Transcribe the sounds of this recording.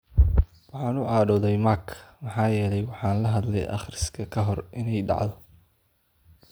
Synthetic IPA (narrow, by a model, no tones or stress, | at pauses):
wɑħɑːnʊaːɖɔðɛjmakʰmɑħɑːjɛːlɛjwɑħɑːnlɐɦɐd̪lɛ̰jʔɑ̰χrɪskʰɐkʰɐɦɔrʔɪnɛjɖɑ̰ʕd̪ɔ